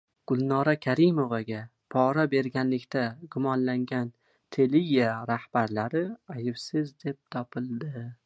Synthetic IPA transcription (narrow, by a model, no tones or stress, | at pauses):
ɡ̥ʊlˠnɒɾakʲʰaɾɪmovaɡʲa | pʰɒɾabe̞ɾɡʲanlɪkʲt̪ʰaɡʊmɒnlaŋɡʲan | t̪ʰe̞liaɾahb̥aɾlaɾɪajɪfsɪzd̪e̞p̚t̪ʰɒpʰɪlˠd̪ɪ